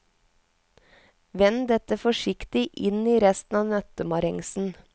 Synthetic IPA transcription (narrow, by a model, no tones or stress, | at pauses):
ʋɛnd̪ɛt̪əfɔʃɪkt̪ɪʔɪniːɾɛst̪n̩ɑːʋnœt̪əmɑɾɛŋsn̩